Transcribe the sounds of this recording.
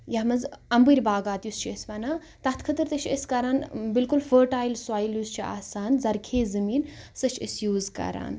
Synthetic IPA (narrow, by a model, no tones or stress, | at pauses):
jaɦmɐzɐmbɨɾʲbaːɡaːt̪just͡ʃʰesbɐnaː | t̪ɐt̪ʰkʰət̪ɨɾt̪ɐʃʰḛsʲkɐɾaːnbilkulfəːɾʈaːjlswaːjiljust͡ʃʰia̰ːsaːnzɐɾkʰeːzɨmiːnsɐt͡ʃʰəsjuːzkɐ̰ɾa̰ːn